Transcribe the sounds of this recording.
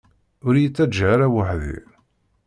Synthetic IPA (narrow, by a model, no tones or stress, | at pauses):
ʊɾjət͡sːæd͡ʒʕaɾæwaħðḭɾ